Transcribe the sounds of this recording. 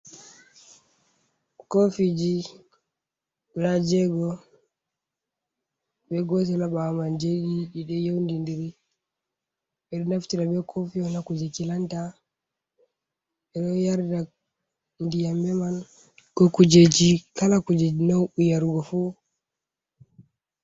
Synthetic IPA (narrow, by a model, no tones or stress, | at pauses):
kofid͡ʒi | lad͡ʒɛɡɔ | bɛɡɔt̬ɛlaɓamand͡ʒeɗid͡ʒiɗɛjowndindiɾi | ɓɛɗɔnaftiɾabɛkʰofiɔnakud͡ʒet͡ʃilanta | ɛɗɔjaɾda | ndijambɛman | kɔkud͡ʒed͡ʒikalakud͡ʒed͡ʒinowʔujaɾuɡɔfu